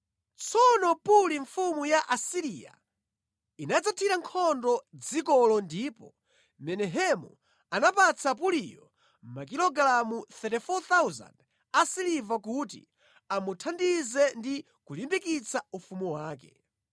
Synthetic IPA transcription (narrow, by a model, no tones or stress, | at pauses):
t͡sʰɔnɔpuliɱfumujaʔasiɾia̰ | inad͡zatʰiɾaŋkʰɔndɔd͡zikɔlɔndiːpɔ | mɛnɛɦɛmṵ | anapat͡sʰap̬ulijɔ̰ | mak̬ilɔɡlamuθɛtɛfɔt̪awza̰nd | asilivakut̬ḭ | amutʰandizɛndi | kulimbikit͡sʰaufumuwaːkɛ̰